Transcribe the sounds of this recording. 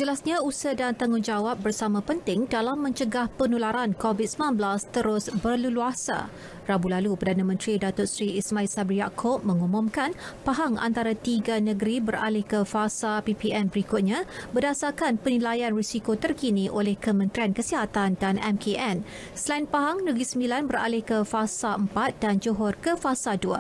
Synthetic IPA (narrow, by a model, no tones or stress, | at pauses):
d͡ʒəlasɲãusədant̪aŋʊŋd͡ʒawap̚bərsamãpənt̪ɪŋdalamːə̃ɲt͡ʃəɡahpənulaɾankovit̪̚səmnanbəlast̪əɾʊsbərluluasa̰ | rabulalupərdanãmə̃nt̪ɾidat̪ʊtsɾiismãilsabɾijakʰop̚mə̃ŋumʊ̃mkanpaɦaŋa̰nt̪aɾat̪iɡanəɡəɾibəɾa̰lɪhkəfasapipiɛnbəɾikʊt̪̚ɲãbədasakanpənilajanrisikot̪ərkinĩʔolɛhkəmə̃nt̪ɾiankəsiɦat̪andanɛmkʰeʔɛn | səlaɪnpaɦaŋnəɡəɾisəmbilanbəɾa̰lɪhkəfasaəmpat̪̚dand͡ʒoɦɔrkəfasadua̰